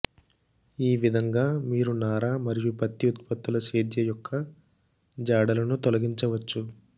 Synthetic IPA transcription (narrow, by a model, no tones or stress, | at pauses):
iːʋid̪ʱɐŋɡaːmiːɾunaːɾaːmɐɾijupɐt̪ːiut̪̚pɐt̪ːulɐʃeːd̪jɐjɔkʰːɐ | d͡ʒaːɽɐlɐnut̪ɔlɐɡiɲt͡ʃɐʋɐt͡ʃːu